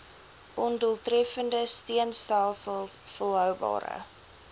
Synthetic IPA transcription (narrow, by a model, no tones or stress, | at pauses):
ʔɔnduəlˠtrɛfəndəstiənstælˠsəlˠfɔlˠɦœwbɑ̰ːɾə̰